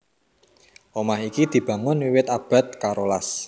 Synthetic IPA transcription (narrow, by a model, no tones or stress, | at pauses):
ʔomahikid̪̥i̤b̥ä̤ŋʊnwiwɪt̪ab̥a̤t̪̚kaɾolas